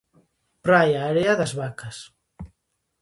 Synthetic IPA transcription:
pɾajaːɾeaðazβakas

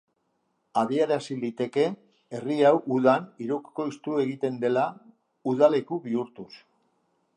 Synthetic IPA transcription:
aðieɾasilit̪e̞ke̞ː | riawʔuðaniɾuki̥ko̞ist̪ue̞ɣit̪e̞nd̪e̞la | uðale̞kuβiuɾt̪us

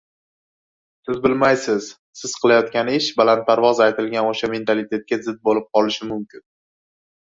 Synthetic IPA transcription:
sɪzbɪlmajsɪz̥ | sɪz̥qʰɨlajɒt̪̚kʲanɪʃbalant̪̚paɾvɒzajt̪ɪlɡʲanoʃame̞nt̪ʰalɪt̪ʰe̞t̪̚kʲazɪd̪̚bolɪp̚qʰɒlɪʃɪmʊmkʲɪn

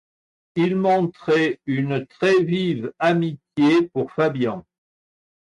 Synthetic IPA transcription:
ilmɔ̃t̪χɛynt̪χɛvivamit̪jepuʁfabjɑ̃

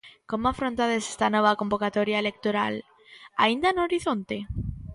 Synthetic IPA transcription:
komoafɾont̪aðesest̪anoβ̞ako̞mbokat̪oɾjaelek̚t̪oɾa̰l | a̰ind̪anoɾiθont̪e

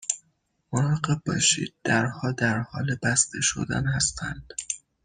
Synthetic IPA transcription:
moɾɒɢeb̚bɒ̰ːʃḭːd̪̚d̪æɾhɒːd̪æɾhɒːlebæst̪ʰeʃo̰d̪æ̰nhæst̪ʰæ̰nd̪̥

